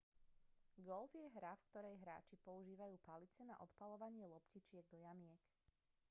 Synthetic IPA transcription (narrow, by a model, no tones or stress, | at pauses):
ɡɔlvjɛɦɾafkt̪ɔɾɛjɦɾa̰ːt͡ʃipɔuʒiːʋajuːpalit͡sɛna̰ʔɔt̪palɔʋaɲɪɛlɔpcit͡ʃɪɛɡ̚d̪ɔjamɪɛk